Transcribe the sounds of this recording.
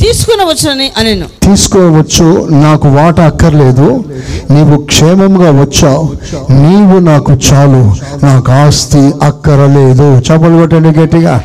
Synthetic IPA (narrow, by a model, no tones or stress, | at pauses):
t̪iːsu̥kɔneʋɐt͡ʃːɐnɐniʔɐneːnut̪iːsu̥kɔːnʋɐt͡ʃːunaːkuʋaːʈɐːkːɐɾɐle̞ːd̪uniːʋukʂɛːmɐmɡaːʋɐt͡ʃːaːuniːʋunaːkut͡ʃaːlu | naːkaːst̪iɐkːɐɾɐleːd̪ut͡ʃɛpːɐluɡɐʈeɳɖik̬eːʈːiɡaː